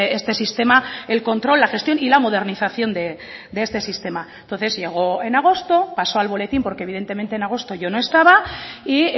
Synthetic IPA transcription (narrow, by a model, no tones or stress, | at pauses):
est̪e̞sist̪emae̞lko̞nt̪ɾo̞lːaxe̞st̪jonilamo̞ð̞e̞ɾniθaθjo̞nd̪e̞ | d̪eest̪e̞sist̪e̞maent̪o̞nθe̞zʝe̞ɣ̞o̞e̞naɣ̞o̞st̪o̞paso̞alβ̞o̞le̞t̪impo̞ɾkeβið̞e̞nt̪ement̪enaɣ̞o̞st̪o̞ʝo̞noe̞st̪aβ̞ai